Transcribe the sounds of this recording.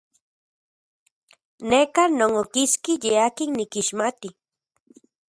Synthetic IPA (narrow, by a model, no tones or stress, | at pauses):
nekanoŋokiskijeakɪŋnɪkiʃmat̪i